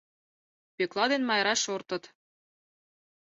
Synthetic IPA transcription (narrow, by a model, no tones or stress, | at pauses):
peklˠɑd̪enmɑjɾɑʃort̪ɤ̆t̪